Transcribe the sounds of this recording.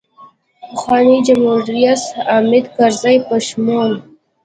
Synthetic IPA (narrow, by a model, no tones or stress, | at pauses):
pəxwɑnid͡ʒamhuɾijasɑmɪd̪kaɾzajpaʃmon